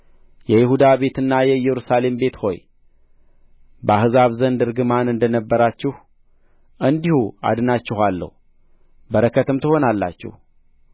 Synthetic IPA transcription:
jɛjɪhud̪aβe̞t̪ɨnːajɛjɛɾusale̞mbe̞t̪ho̞̰j | bəahɨzaβzənd̪ɨɾɡɨmanɨnd̪ənəbːəɾat͡ʃːɪh | ʔɨnd̪ihua̰d̪ɨnat͡ʃːɪhalːə̰hu | bəɾəkʰət̪ɨmt̪ʰɨho̞nalːa̰t͡ʃːɪ̰h

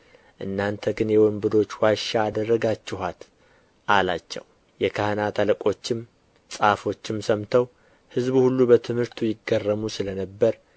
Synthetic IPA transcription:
ʔɨ̰nːant̪ʰəɡɨnjɛwɔmbɨd̪o̞t͡ʃːwaʃaːd̪ərːəɡat͡ʃːɪɦat̪ | ʔalat͡ʃːɛ̰w | jɛkʰahənat̪ʰaləkʼo̞t͡ʃːɪm | sʼafo̞t͡ʃːɪmsəmt̪ʰəw | hɨzbuhulːubət̪ʰɨmhɨɾt̪ʰujɪɡːərːəmusɨlənəbːəɾ

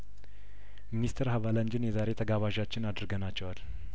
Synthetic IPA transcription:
minist̪ʰɾhaβaland͡ʒɪnjɛzaɾe̞t̪ʰəɡaβaʒat͡ʃːɪnad̪ɾɨɡənat͡ʃːɛwal

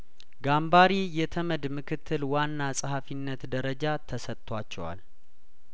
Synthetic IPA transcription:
ɡambaɾijɛt̪ʰəməd̪mɨkʰɨt̪ʰːɨlwanːasʼhafinːət̪d̪əɾəd͡ʒat̪ʰəsət̪ʼt̪ːʰwat͡ʃːɛ̰wa̰l

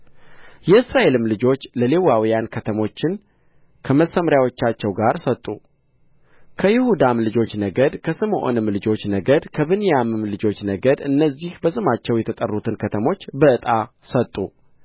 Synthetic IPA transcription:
jɛɨsɾaʔe̞lɨmlɨd͡ʒo̞t͡ʃːləlewawijankʰət̪ʰəmo̞t͡ʃːɪn | kʰəməsəmɾjawo̞t͡ʃːat͡ʃːɛwɡaɾsət̪ʼːu | kʰəjɪhud̪amlɨd͡ʒo̞t͡ʃːnəɡəd̪kʰəsɨmʔo̰nɨmlɨd͡ʒo̞t͡ʃːnəɡəd̪kʰəβɨnijamɨmlɨd͡ʒo̞t͡ʃːnəɡəd̪ɨnːəzːihbəsɨmat͡ʃːɛwjɛt̪ʰət̪ʼə̰rːut̪ʰɨnkʰət̪ʰəmo̞t͡ʃːbəɨt̪ʼasət̪ʼːṵ

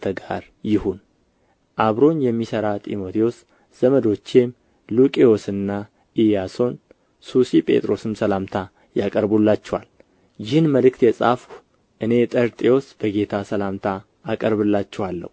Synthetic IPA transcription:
t̪ʰəɡaɾ | jɪhun | ʔaβɾo̞njɛmːisəɾat̪ʼḭmo̞t̪ʰios | z̥əməd̪o̞t͡ʃːem | lukʼio̞sɨnːa | ʔijaso̞n | susipʼe̞̰t̪ʼɾo̞sɨmsəlamt̪ʰa | jakʼəɾbulːat͡ʃːɛwal | jɪhɨnməlɨkt̪jɛsʼa̰fk | ʔɨne̞t̪ʼəɾt̪ʼio̞sb̥əɡe̞t̪ʰasəlamt̪ʰaː | kʼəɾbɨlːat͡ʃːɛwalːə̰wu

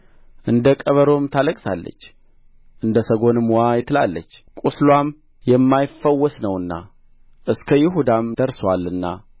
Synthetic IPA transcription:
ʔɨnd̪əkʼəβəɾo̞mt̪ʰaləkʼsa̰lːə̰t͡ʃː | ʔɨnd̪əsəɡo̞nɨmwajɪt̪ʰːɨla̰lːət͡ʃːkʼuslwam | jɛmːajɪfːəwːɔsnəwɨnːa̰ | ʔɨskʰəjɪɦud̪amd̪̥əɾswalːɨnːa̰

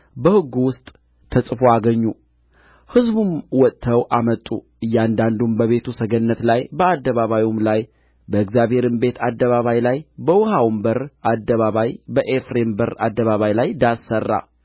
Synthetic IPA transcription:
bəhɨɡːuwʊst̪ʼ | t̪ʰəsʼɨfoaɡəɲːu | hɨzbumwɔt̪ʼʰːəwʔamət̪ʼːuʔɨjːɛand̪and̪umbəβe̞t̪ʰusəɡənːət̪lajbəad̪ːəβaβajumlaj | bəɨɡzjaβhe̞ɾɨmbe̞t̪ʰad̪ːəβaβajlajbəwɔhawmbəɾʔad̪ːəβaβajbəʔefɾe̞mbəɾa̰d̪ːəβaβajlajd̪asːərːa̰

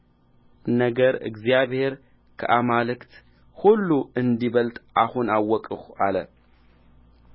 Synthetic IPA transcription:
nəɡəɾɨ̰ɡzijaβhe̞ɾ | kʰə̰ʔamalɨkt̪ | hulːuɨnd̪iβəlt̪ʼahunawːɔkʼɨxalə

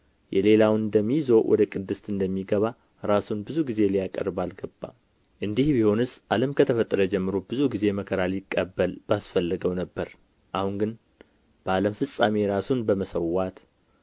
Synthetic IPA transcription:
jɛle̞lawnd̪əmːijzowʔɔ̰d̪əkʼɨd̪ːɨst̪ɨnd̪əmːiɡəβa | ɾasunbɨzuɡize̞lijakʼə̰ɾbalɡəbːa̰ | ʔɨnd̪ihbiho̞nɨsʔaləmkʰət̪ʰəfət̪ʼːəɾəd͡ʒɛmːɨɾobɨzuɡize̞məkʰəɾalɪkʼːəbːəlb̥asfəlːəɡəwnəbːəɾ | ʔahuŋɡɨn | b̥əaləmfɨsʼameɾasunbəməsəwːat̪

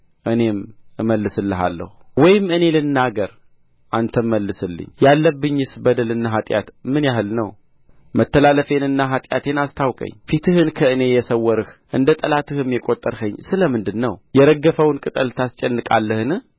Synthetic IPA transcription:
ʔɨne̞mɨməlːɨsɨlːɨɦa̰lːə̰huwɔjɪmɨne̞lɨnːaɡəɾ | ʔant̪ʰəmːəlːɨsɨlːɨ̰ɲjalːəbːɨɲːɨsbəd̪əlɨnːaɦat̪ʼja̰t̪mɨnjaɦɨlnəw | mət̪ːəlaləfe̞nɨnːaɦat̪ʼja̰t̪ʰe̞nast̪ʰawkʼə̰ɲːfit̪ʰɨhɨnkʰəɨne̞jɛsəwːɔɾɨhʔɨnd̪ət̪ʼəlat̪ʰɨhɨmjɛkʼot̪ʼːəɾhəɲːsɨləmɨnd̪ɨnːəwjɛɾəɡːəfəwnkʼɨt̪ʼəlt̪ʰast͡ʃʼɛnːɨkʼa̰lːəhɨnɨh

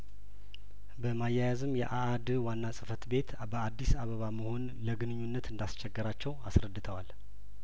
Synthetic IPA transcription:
bəmajajazɨmjɛ̰ʔa | d̪wanːasʼɨfət̪be̞t̪ | bəad̪ːisaβəβaməho̞n | ləɡɨnɨɲːunːət̪ɨnd̪ast͡ʃɛɡːəɾat͡ʃːɛwasɾəd̪ːɨt̪ʰəwal

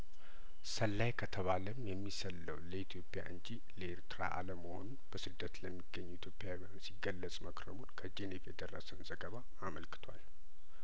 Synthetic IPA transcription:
səlːajkʰət̪ʰəβaləmjɛmːisəlːə̰wləit̪ʰijo̞pʼːɪja̰ʔɨɲd͡ʒi | ləeɾt̪ɨɾa̰ʔa̰ləməho̞̰nunb̥əsɨd̪ːət̪ləmːiɡːəɲːuit̪ʰjo̞pʼːjaw | msiɡːəlːəsʼməkɾəmunkʰəd͡ʒenefjɛd̪ərːə̰sənzəɡəβaːməlkɨ̥t̪ʰwa̰l

